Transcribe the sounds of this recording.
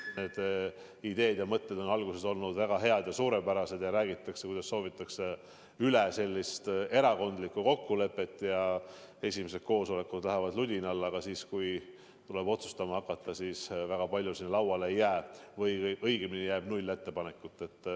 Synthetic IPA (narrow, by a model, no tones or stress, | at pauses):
ne̞ːd̪̥ | id̪̥e̞ːd̪̥jɑmɤt̪ˑːe̞d̪o̞nɑlɡuse̞so̞lnud̪væɡ̥ɑɦe̞ɑd̪̥jɑsuːɾe̞pæɾɑse̞d̪̥jɑɾæːɡit̪ːˑɑksekujd̪ɑsːo̞ːvit̪ːˑɑkse̞ | ylese̞lʲːist̪e̞ɾɑko̞nd̪likːuko̞kːule̞pːˑe̞t̪ːˑjɑ | e̞sʲimes̬e̞d̪̥̚ko̞ːso̞le̞kud̪læɦævɑd̪lud̪ʲinɑlːɑɡ̥ɑsiːskuj | t̪ule̞bo̞t̪su̥st̪ɑmɑhɑkːˑɑt̪ːˑɑsiːsvæɡ̥ɑpɑlʲjusinːlɑwɑlejːæːvɤjʔɤjɡ̥eminijæːb̥nulʲːe̞t̪ːe̞pɑne̞kːˑut̪ːˑe̞t̪ː